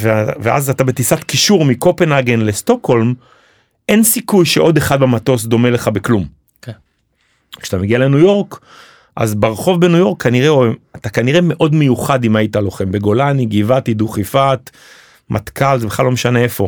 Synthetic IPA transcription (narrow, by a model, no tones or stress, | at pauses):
vevea̰zat̪abet̪isatkiʃuʁmiko̞pe̞naɡe̞nle̞st̪o̞kho̞lm | ʔe̞nsikujʃe̞ʔo̞d̪e̞χad̪̚bemato̞sd̪o̞mele̞χabeklum | kʃat̪ameɡiale̞nujo̞ʁk | ʔa̰zbaʁχo̞vbe̞nujo̞ʁkʰːaniʁeoat̪akaniʁe̞me̞ʔo̞dme̞juχadimajitalo̞χembeɡo̞laniɡivat̪id̪uχifat̪ | mʔat̪kalzebeχlalo̞meʃaneefo̞